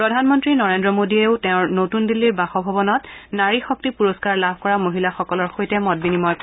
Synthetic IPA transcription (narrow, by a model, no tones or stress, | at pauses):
pɹɔdʱanmɔntɹinɔɹendɹɔmodieʊtɛʊ̃ɹnotundilːiɹbaxɔbʱɔbɔnɔtnaɹixɔk̚tipuɹɔskaɹlabʱkɔɹamoɦilaxɔkɔlɔɹxojtɛmɔt̚binimɔj